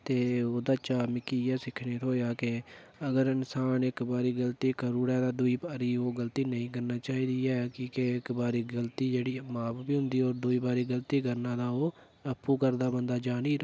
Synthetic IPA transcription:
t̪eːoːd̪aːt͡ʃaːmɪkiːɛːsɪkʰneːt̪ɦoːjaːkɪəɡəɾɪnsaːnɪkbaːɾiːɡəlt̪iːkəɾuːɾɛːd̪aːd̪ʊiːbaːɾiːoːɡəlt̪iːnəĩːkəɾnaːt͡ʃaːiːd̪iːɛːkiːkeɪkbaːɾiːɡəlt̪iːd͡ʒeːɽiːmaːpbiːɦʊ̃nd̪iːoːɾd̪uiːbaːɾiːɡəlt̪iːkəɾnãːd̪aːoː | əpːuːkəɾd̪aːbənd̪aːd͡ʒaːniː

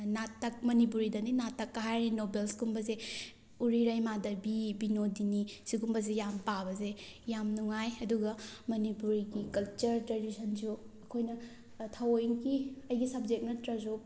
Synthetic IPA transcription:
natːɐk̚mɐnip̬uɾidɐninatːɐkːɐɦajninobelsɡumbɐze | uɾiɾɐjmadɐbibinodinisiɡumbɐz̬ejampabɐzejamnuŋajɐduɡɐmɐnipuɾiɡikɐlt͡ʃɐɾtɾɐdisɐnd͡ʒu | ɐkʰojnɐ | tʰawojŋɡiɐjɡisɐb̚d͡ʒek̚nɐtɾɐzop̚

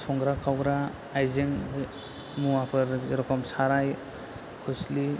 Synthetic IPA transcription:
sɔŋɡɾakʰawɡɾaː | jzeŋ | muapʰɯɾɾɔkʰɔmsaɾaj | kʰusli

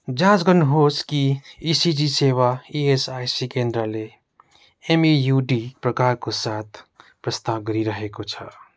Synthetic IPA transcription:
d͡ʒãt͡ʃɡənɦoskiisid͡ʒisewaiesajsikẽnd̪ɾəle | emijuɖipɾəkaɾkosat̪ʰpɾəst̪awɡəɾiɾəɦekot͡ʃʰʌ̰

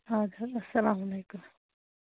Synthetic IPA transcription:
ɦãːd̪ɐɐsɐlaːmɐleːkʊm

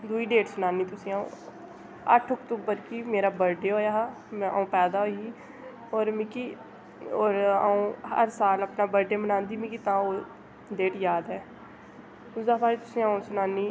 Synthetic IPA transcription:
d̪uiːɖeːʈsʊnaːniːt̪ʊsĩːaːṵ̃ː | ə̰ʈʰokt̪uːbəɾkiːmeːɾaːbəɾɖeːɦoːjaːɦ | mɛ̃a̰ːũːpɛːd̪aːɦoːiiː | oːɾmiːkiː | oːɾa̰ːũːhə̰ɾsaːləpnaːbəɾɖeːmənãːnd̪iːmikiːt̪ãːoː | ɖeːʈjaːd̪ɦɛː | ʊzaːpaːit̪ʊsĩːaːũsʊnaːniː

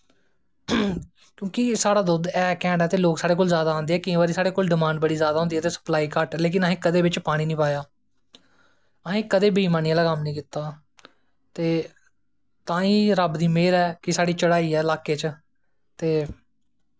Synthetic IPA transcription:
kjõːkɪsaːɽaːd̪ʊd̪ɛːkɛ̃ːɳɖɛːt̪eːloːksaːɽeːk̬oːlzjaːd̪aãːnd̪eːɛːkɪ̃ːʋaːɾiːsaːɽeːkoːlɖɪmãːɳɖbəɽiːzjaːd̪aːɦõːnd̪iːɛːt̪eːsə̥plaːiːkəʈːleːkɪnəɦẽːkəd̪eːbɪt͡ʃpaːɽ̃iːnĩːpaːjaː | əɦẽːkəd̪eːbʱiiːmaːnijãːlaːkəmnĩːkɪt̪aː | t̪eː | t̪ãːĩːɾəbd̪iːmeːɾɛːkɪsaːɽiːt͡ʃəɽaːiːɛːlaːkeːt͡ʃ | t̪eː

